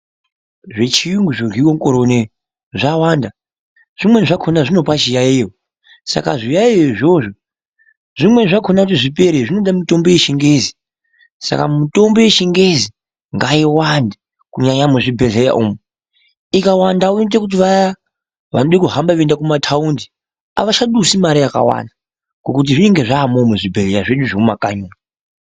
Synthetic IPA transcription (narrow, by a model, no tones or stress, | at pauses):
ʐe̞t͡ʃijuŋɡuʐorwiwomukoɾone | ʐawaːnda | ʐ̥imwe̞ʐakʰonaʐino̞pat͡ʃijaijo | sa̰kaʐijaijoiʐo̞ʐo | ʐ̥imwe̞ʐakʰonakutiʐipe̞ɾeʐino̞ɗamito̞mboje̞ʃiŋɡezi | sa̰ka̰muto̞mbo̞je̞ʃiŋɡe̞zi | ŋɡaiwandi | kuɲaɲamuʐibʱeɮeja̰ʔumu | ikawandauit̬ekut̬iʋaja | ʋa̰noɗikuɦambaʋendakumatʰaundi | a̰ʋaʃaɗusimaɾijaka̰wa̰nda | kokut̬iʐine̞ŋɡe̞ʐaːmomuʐibʱeɮejaʐeɗuʐoumaka̰ɲuːna